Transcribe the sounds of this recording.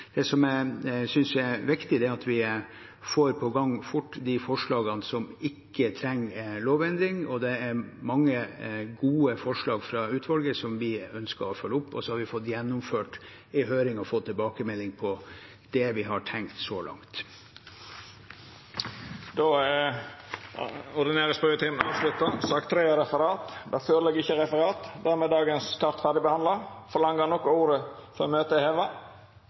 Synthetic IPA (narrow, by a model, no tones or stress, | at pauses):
d̪̥ɛsɔmæsʏnsjɛʋɪkt̪ɪd̪ɛɑt̪ʰʋɪ | foːɾpʰɔɡɑŋfʊʈːd̪ifɔʂɭɑːɡɑnsɔmɪkːət̪ʰɾɛŋːloːʋɛnd̪ɾɪŋɔd̪ɛæɾmɑŋːəɡuːəfɔʂɭɑːɡfɾɑʉːt̪ʰʋɑlɡəsɔmʋɪœnskəɾɔfœlːəʊpːɔ̰sɔhɑɾʋɪfɔt̪ːjɛnːʊmføːʈ | ɪɦøːɾɪŋɔfoːt̪ʰːɪlbɑːkəmɛlːɪŋpʰɔ | d̪̥ɛʋɪɦɑʈʰɛŋkt̪sɔlʔɑ̰ŋt̪ | d̪o | ɔɾd̪ɪneːɾəspœət̪ʰiːmənɑːʋslʉt̪əsɑkt̪ʰːɾeːəɾɛfəɾɑːt̪d̪æføːɾəlɛɡːɪçːəɾɛfəɾɑːt̪d̪æɾmeːd̪ɑːɡənst̪ɑɾt̪fæʁɖ̪ɪbəhɑnd̪ləfɔɾlɑŋːənɔkːɔuːɾəfɔɾɔmøːt̪əheːʋɑ